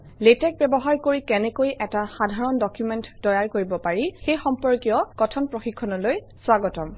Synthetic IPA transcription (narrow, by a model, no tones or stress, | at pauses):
letɛk̚bɛbɔɦaɹkoɹikɛnɛkojʔɛtaxadʱaɹɔndɔkjumɛntdɔjaɹkoɹibɔpaɹixejxɔmpɔɹkijɔkɔtʰɔnpɹoxikʰːɔnɔloj | swaɡɔtɔm